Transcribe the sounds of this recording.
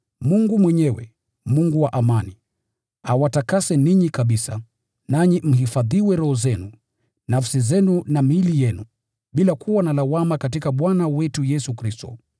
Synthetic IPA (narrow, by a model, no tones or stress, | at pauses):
muŋɡumwɛɲɛwɛ̰ | muŋɡuwaʔamani | awatakasɛniɲikaɓisa | naɲim̩ɦifaðiwɛɾɔhɔzɛnu | nafsizɛnunamilijɛnu | ɓilakʰuwanalawamakat̬ikaɓwanawɛtujɛsukɾistɔ̰